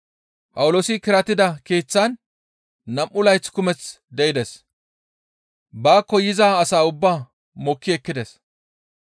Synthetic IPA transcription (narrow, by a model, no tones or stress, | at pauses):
pʼɐwʊlo̞ːsɪkɪɾɐt̪ɪd̪ɐkeːt͡sːɐnː | ɐmʔʊlɐjt͡skʊmɛt͡s | d̪ɛɪd̪ɛs | baːkːɔjɪzaːɐsaːʊbːaː | mɔkːɪɛkːɪd̪ɛs